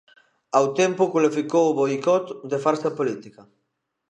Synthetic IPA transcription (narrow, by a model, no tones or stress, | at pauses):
awt̪empʊkulifikowβojkɔt̪d̪efaɾsɐpolit̪ikɐ